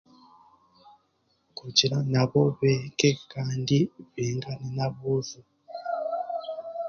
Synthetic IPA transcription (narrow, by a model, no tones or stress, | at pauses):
kud͡ʒiɾanaβoβekekaːndiβiŋɡanenaβuzu